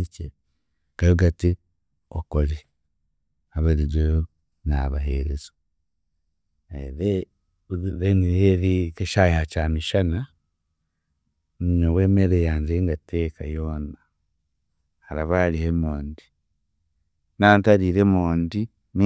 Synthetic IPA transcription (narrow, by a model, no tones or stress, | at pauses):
t͡ʃe | kajuɡati | o̰koli | aβeɾiɟojo | naβa̰ɦḛɾezo | eɾe | ɾenijeɾikeʃajihat͡ʃamiʃana | mɲoweːmeɾejanzeŋɡateːkajoːna | haɾaβalihemoːndi | naːntaɾiːɾemoːndi | ni